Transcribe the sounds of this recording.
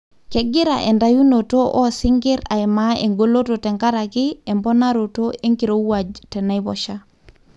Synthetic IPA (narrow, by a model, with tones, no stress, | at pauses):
kɛɡi˦ɾa̰˨ʔɛ˨nda˨ju˦noto˦ʔɔ˦sɪŋɡi˦ɾa̰˨imae˨ŋɡo˦lo˦totɛ˨ŋkaɾa˨ki˦ɛmbɔ˦na˦ɾo˨to˦e˦ŋki˨ɾo˦u˦wad͡ʒtɛ˨na˦i˦bɔ̰˨ʃa˦